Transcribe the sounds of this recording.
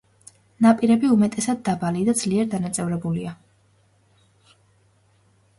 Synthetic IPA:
napʼiɾɛbiumɛt̪ʼɛsad̪ːabalid̪ad̪z̥liɛɾd̪anat̪sʼɛvɾɛbulia

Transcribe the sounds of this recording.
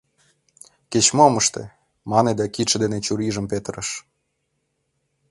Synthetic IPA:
ket͡ɕmoməʃt̪ḛ | mɑned̪ækiʃĕd̪enet͡ɕuɾiʒə̆mpet̪əɾəʃ

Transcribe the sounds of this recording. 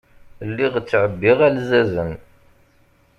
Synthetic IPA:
lːiʁt͡sːʕəbːiʁælzæzən

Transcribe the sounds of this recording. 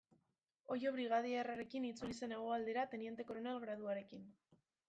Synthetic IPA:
o̞jo̞β̞ɾiɣ̞aðieraɾe̞kinit͡sulise̞ne̞ɣ̞oald̪e̞ɾat̪e̞nie̞nt̪e̞koɾonelɣɾað̞uaɾe̞kin

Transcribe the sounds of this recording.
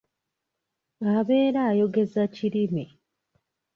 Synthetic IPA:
aβeːɾaːjo̞ɡe̞zaciɾime

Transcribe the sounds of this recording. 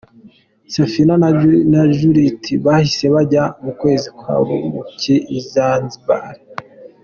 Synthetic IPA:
safinannaʒuɾitʰiβahise̞βaɟamukwe̞ːzikwa̰ɾṵmuciizanziba̰ɾe

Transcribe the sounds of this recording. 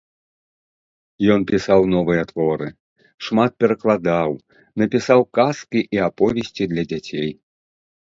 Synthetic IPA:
jɔnpʲisawnɔvɨjɐt̪vɔɾɨ | ʂmat̪̚pʲɛɾɐklˠad̪aw | nɐpʲisawkaskʲiʔiapɔvʲesʲt͡sʲid̪lʲɐd͡zʲat͡sʲej

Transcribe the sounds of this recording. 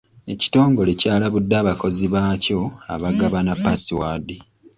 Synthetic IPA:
e̞ci̥to̞ːŋɡo̞le̞caːlaβudːaːβako̞ziβaːco̞a̰βaɡaβanapːasiwaːdi

